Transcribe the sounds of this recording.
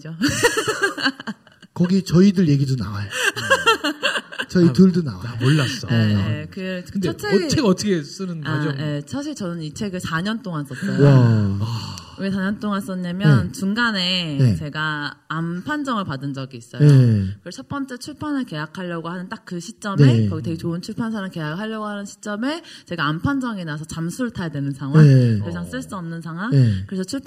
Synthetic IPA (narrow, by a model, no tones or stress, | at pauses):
d͡ʑo | kʌɡit͡ɕʌidɯɭje̞ɡidonawaj | t͡ɕʌitɯɭdunawaoɭːas͈ʌkɯkɯdeʌt͡ɕ͈ʰeeʌtʰʌkʰes͈ɯnɯnaad͡ʑʔe̞sʰaɕ̬ʰiɭt͡ɕʌnɯnit͡ɕʰeɡɯsaɲʌnt͈oŋas͈ʌt͈ʌaaɯesʰaɲʌnt͈oŋas͈ʌɲamjʌnt͡ɕuŋɡane̞et͡ɕe̞ɡaːmpʰand͡ʑʌŋɯɭpadɯnd͡ʑʌɡiːs͈ʌjeokɯt͡ɕʰʌt̚p͈ʌnt͡ɕ͈e̞t͡ɕʰuɭpʰanɯɭke̞jakʰaʎːjʌɡohanɯnt͈ak̚k͈ɯɕʰi̥t͡ɕ͈ʌmekʌɡite̞ɡet͡ɕoɯnt͡ɕʰuɭpʰans̬ʰaɾaŋke̞jakhaʎːʌɡohanɯnɕʰi̥t͡ɕ͈ʌmet͡ɕe̞ɡaːmpʰand͡ʑʌŋenasʰʌt͡ɕamsʰuɭtʰajadwe̞nɯnsʰaŋɦwaked͡ʑaŋs͈ɯɭs͈uʌmnɯnsʰaŋɦwaŋekɯɾe̞sʰʌt͡ɕʰuɭpʰ